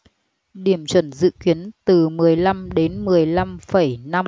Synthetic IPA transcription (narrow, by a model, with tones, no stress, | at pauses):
ɗi˧˩əmt͡ɕwə˧˩nzɨ̰˧˨ki˨˦ənt̪ɨ˨˩mɨ˨˩əjla˧mɗe˨˦nmɨ˨˩əjla˧mfə˧˩jna˧